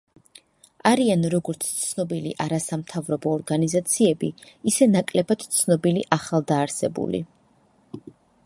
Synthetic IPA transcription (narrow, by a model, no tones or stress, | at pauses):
aɾianɾɔɡɔɾt̪sʰt̪sʰnɔbilḭʔaɾasamt̪ʰavɾɔbɔːɾɡanizat̪sʰiɛbiisɛnakʼlɛbad̪t̪sʰnɔbiliʔaχalˠd̪aːɾsɛbṵlḭ